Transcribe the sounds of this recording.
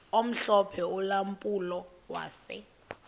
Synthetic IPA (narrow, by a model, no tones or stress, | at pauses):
om̩ɬɔpʰɛulampʼulɔ | wa̰ːsɛ̰